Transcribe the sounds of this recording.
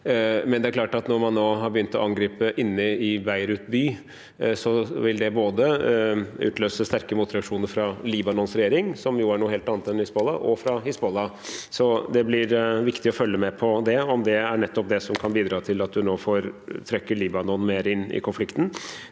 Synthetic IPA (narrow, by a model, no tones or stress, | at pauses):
mɛnd̪ɛæɾklɑːʈɑt̪nɔɾmɑnːoːɦɑɾbəjʏnt̪ɔ̰ɑŋɡɾiːpəʔɪnːəɪbæɪɾʉt̪byː | sɔʋɪld̪ɛboːd̪ə | ʉ̰ːt̪ʰløːsəst̪æɾkəmʊt̪ːɪɾɑkʂuːnəɾfɾɑliːbɑnɔnsɾɛjeːɾɪŋsɔmjuæɳuːəheːlt̪ɑːnət̪ɛnhɪsbɔlːɑʔɔ̰fɾɑhɪsbɔlːɑsɔd̪ɛblɪɾʋɪkt̪ɪɔfœlːəmɛpʰɔd̪ɛɔmd̪ɛæɳɛt̪ːɔp̚d̪ɛsɔmkʰɑnbiːd̪ɾɑːt̪ʰɪlɑt̪̚d̪ʉnoːfɔɾt̪ʰɾɛkːəɭiːbɑnɔnmeːɾɪnːɪ̰kʰʊnflɪkt̪n̩